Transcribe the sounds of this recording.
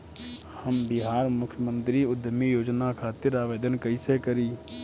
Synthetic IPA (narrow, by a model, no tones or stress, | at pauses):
həmbɪɦaːɾmʊkʰjəmə̃nt̪ɾiʊd̪ʱəmijoːd͡ʒnakʰaːt̪ɪɾaːʋeːd̪ənkəisekəɾiː